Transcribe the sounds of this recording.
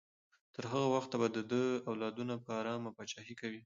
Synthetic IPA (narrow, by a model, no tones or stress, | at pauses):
t̪əɾɦəɣawaxt̪abad̪əd̪əawlɑd̪unapəaɾɑmapɑt͡ʃɑhikawi